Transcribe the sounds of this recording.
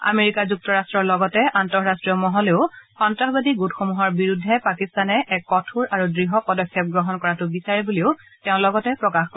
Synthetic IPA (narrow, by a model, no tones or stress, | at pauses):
a̰meɹikazuk̚tɔɹastɹɔɹlɔɡɔtɛʔantɔɹɹastɹijɔmɔɦɔleʊxɔntaɦbadiɡutxomuɦɔɹbiɹudʱːɛpakistanɛʔɛkːɔtʰuɹaɹudɹiɦɔpɔdɔkʰːɔp̚ɡɹɔɦɔnkɔɹatʊbisaɹɛbuliʊ | teʊ̃lɔɡɔtɛpɹɔkaxk